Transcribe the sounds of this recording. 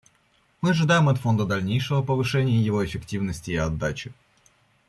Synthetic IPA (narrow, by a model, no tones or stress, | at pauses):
mɨɐʐɨd̪ajɪmɐt̪fo̞nd̪əd̪ɐlʲnʲejʂɨvəpəvɨʂɛnʲɪjəjɪvo̞ɪfʲɪktʲivnəsʲtʲɪːɐd̪ːat͡ɕɪ̥